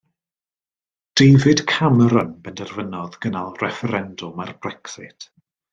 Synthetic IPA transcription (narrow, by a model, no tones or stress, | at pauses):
d̥ejvɪd̥kʰaməɾənb̥ɛndɛrvənɔðɡənalˠrɛfɛɾɛndʊmarbrɛksɪtʰ